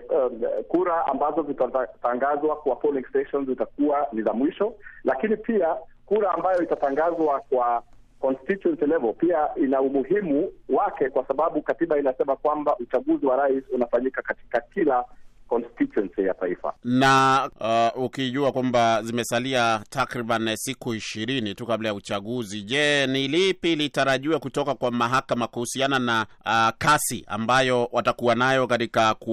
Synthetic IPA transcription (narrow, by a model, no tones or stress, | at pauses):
kuɾaa̰mbazɔzitataŋɡazwakwapɔliŋɡstɛʃɔnzzitakuanizamwiʃɔlakinipiakuɾaːmbajɔitataŋɡazwakwa | kɔnstituɛnsilɛvɔlpiaʔinaumuɦimuwakɛkwasaɓaɓukatiɓainasɛmakwambaʔut͡ʃaɠuziwaɾaisunafaɲikakati̥kakilakɔnstitwɛnsija̰taifa̰na | ukiʄuakwambazimɛsaliatakɾiɓansikuiʃiɾinitukablajaut͡ʃaɠuziʄɛnilipilitaɾaʄiwakutɔkakwamaɦakamakuhusianana | kasia̰mbajɔwatakuwanajɔkatikak